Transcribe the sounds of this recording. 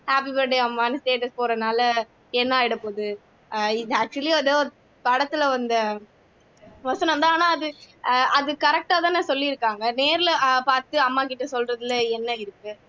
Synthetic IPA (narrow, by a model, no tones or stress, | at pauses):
haːp̬ibɐɖeɐmːaːnɯsʈeːʈɐspoːɾɐnaːlɐ | ɛnːaːɪɽɯpoːðɯ | ɪðɐaːk̚t͡ʃʊɐliɐðoː | pɐɽɐt̪ːɪlɐʋɐnd̪ɐ | ʋɐsɐnɐ̃ɐnd̪aːnaːɐðɯ | ɐðɯkɐɾɛk̚ʈaːt̪ãːneːsɔlːiɪɾɯkːaːŋɡɐneːɾɪlɐpaːɾt̪ɯɐmːaːkɪʈːɐsɔlɾɐðɯlɐɛnːɐɪɾɯkːɯ